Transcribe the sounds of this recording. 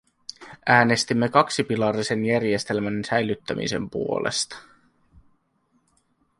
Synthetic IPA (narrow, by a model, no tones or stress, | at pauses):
ʔæːne̞st̪imːe̞kɑksipilɑrise̞njærje̞st̪e̞lmænsæjlyt̪ːæmʔḭse̞̰mpṵo̞̰lʔḛst̪ɑ̥